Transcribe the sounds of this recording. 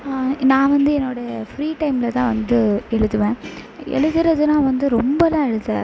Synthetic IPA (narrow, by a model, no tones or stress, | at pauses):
nãːʋɐnd̪ɯɛnːoːɽɐfɾiːʈɐɪmlɐt̪ãːʋɐnd̪ɯɛɻɯt̪ːɯʋẽːʔɛ̰ɻɯðɯɾɐðɯnãːʋɐnd̪ɯɾɔmbɐlãːɛɻɯt̪ːɛ̰ː